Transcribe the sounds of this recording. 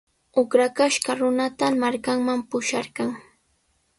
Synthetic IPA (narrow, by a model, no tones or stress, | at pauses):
ʊkɾakaʃkaɾʊnat̪amaɾkaŋmampʊʃaɾɢɑŋ